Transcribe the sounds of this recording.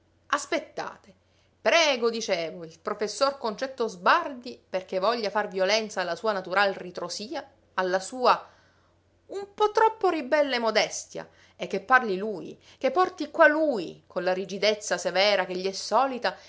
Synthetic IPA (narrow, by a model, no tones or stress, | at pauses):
aspet̪ːa̰ːt̪e | pɾɛːɡod̪it͡ʃɛːvoilpɾofesːorkont͡ʃɛt̪ːozbard̪iperk̟evɔʎːafarvjolɛnt̪saːlːasuːanat̪uɾalrit̪ɾosiːaː | lːasuːa | umpɔt̪ːɾɔpːoɾibɛlːemod̪ɛst̪ja̰ | ek̟ːepːarliluːj | k̟epːɔrt̪ikwaluːjkʰonlaɾid͡ʒid̪et̪sːasevɛːɾak̟eʎːiɛsːɔːlit̪a